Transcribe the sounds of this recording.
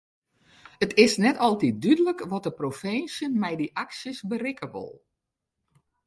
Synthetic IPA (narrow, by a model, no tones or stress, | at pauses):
ətʰɪsnɛtɔlˠtit̚dydələkʋɔt̚dəprofensjəmɛjdiʔaksəsbərɪkəʋɔ̰lˠ